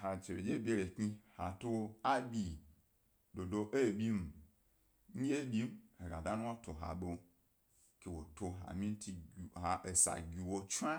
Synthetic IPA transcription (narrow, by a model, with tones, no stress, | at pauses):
ɦa˨t͡ʃe˨ɾe˨d͡ʒe˦be˦le˨kɲĩ˦ha˨t̪o˦a˦bi˨ | ɖo˨do˦ʔe˦˨bi˦m˨ | ɲĩ˦e˦bi˦me˨ɡa̰˨da˦nũ˦a˦t̪o˨ɦa̰˨be˦o˦ | ke˨wo˨t̪o˦ɦa̰˨mĩ˦n˦t̪ʰi˦˨ɦa˨e˨sa̰˨ɡi˨wo˦t͡ʃu˦ã˦